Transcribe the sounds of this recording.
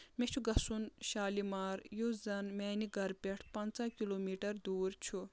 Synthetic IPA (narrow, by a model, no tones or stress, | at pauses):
met͡ʃʰuɡɐsunʃaːlimaːɾjozɐnmɛːniɡʱɐɾpʲeʈʰpɐnt͡sakiloːmiːʈɐɾd̪uːɾt͡ʃʰu